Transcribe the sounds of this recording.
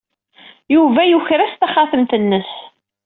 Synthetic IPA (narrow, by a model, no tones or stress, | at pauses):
juvæjuçɾæst̪æχaθəmt̪ənːəs